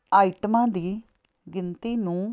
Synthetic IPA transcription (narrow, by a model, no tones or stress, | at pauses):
aːiʈmãːd̪iː | ɡɪnt̪iːnũː